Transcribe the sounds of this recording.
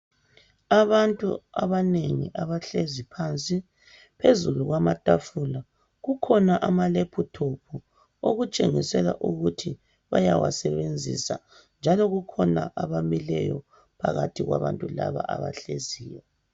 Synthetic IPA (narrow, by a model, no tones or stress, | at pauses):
aβantʼṵaβaneŋiʔaβaɬezipʰant͡sʼi | pʰezuluɣwamatʼafula | ɣukʰɔnaʔamalepʰutʰopʰu | oɣut͡ʃʼeŋisɛla̰ʔuɣutʰi | βajawasɛβend͡zʱḭsa | nd͡ʒʱalɔɣukʰɔnaʔaβamilɛjɔ | pʰaɣatʰiɣwaβantʼula̰βa̰ʔaβa̰ɬeziːjɔ